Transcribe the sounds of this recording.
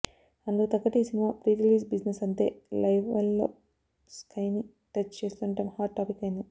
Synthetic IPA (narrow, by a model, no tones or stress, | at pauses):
ɐnd̪ut̪ɐkːɐʈiːsinimaːpɾiːɾiliːsbid͡ʒnesɐnt̪e̞̰ːlɐjʋɐlːo̰ː | skʰɐjni | ʈɐt͡ʃːt͡ʃeːst̪uɳɐʈɐmhaːʈʈaːpikːɐjind̪i